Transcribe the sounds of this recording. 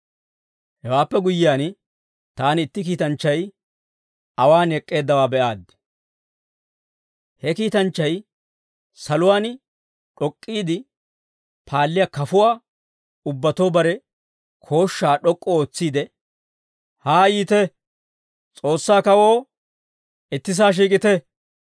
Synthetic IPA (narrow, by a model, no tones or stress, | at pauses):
hɛwaːpːɛɡʊjɪjaːn | t̪aːnɪt̪ːɪk̬iːt̪ɐnt͡ʃːɐj | ɐwaːnɛkʼːe̞ːd̪ːɐwaːbɛʔaːd̪ | hɛkiːt̪ɐnt͡ʃːɐj | sɐlʊwaːn | ᶑɔkʼːiːd̪ɪ | pʰaːlːɪjakɐfʊwaː | ʊbːɐt̪o̞ːbɐɾɛ | kʰo̞ːʃːaːɗɔkʼːɔoːt͡sːiːd̪ɛ | haːjiːt̪ɛ | t͡sʼo̞ːsːaːkɐwo̞ː | ɪt̪ːɪs̬aːʃ̬iːkʼɪt̪ɛ